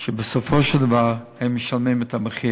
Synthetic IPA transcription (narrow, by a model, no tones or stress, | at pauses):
ʃɛbəsɔfoʃlˠd̪avaɾhɛmːɪʃalˠmimɛtaməχi